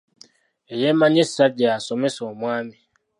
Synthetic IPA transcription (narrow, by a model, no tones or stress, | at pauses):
ɛjɛmãɲɪ̃sadiasɔmɪ̃sɔ̃mũamɪ̃